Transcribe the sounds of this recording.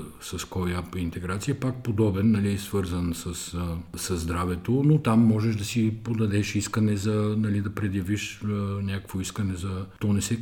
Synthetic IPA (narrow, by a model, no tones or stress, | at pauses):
sɐskojapint̪ɛɡɾat̪sijɐpak̚pod̪ɔbɛnːɐlisvɤɾzənsɐsəsɐzːd̪ɾavɛt̪onot̪amːɔʒɛʒd̪ɐsipod̪ɐd̪ɛʃiskɐnɛzɐnɐlid̪ɐpɾɛd̪jɐviʃnʲakə̥kvoiskɐnɛzɐt̪ɔnɛsɛ